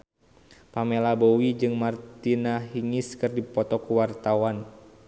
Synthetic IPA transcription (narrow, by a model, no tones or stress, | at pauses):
pamelabɔwid͡ʒɨŋmart̪inaɦiŋiskɨrdipɔt̪ɔkuwart̪awan